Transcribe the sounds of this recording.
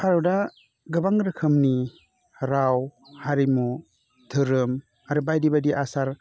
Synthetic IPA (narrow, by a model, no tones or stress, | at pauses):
hʰaɾuda | ɡɯbaŋɾɯkʰɯmni | ɾaw | haɾimu | tʰɯɾɯm | aɾɯbajdibadiʔasaɾ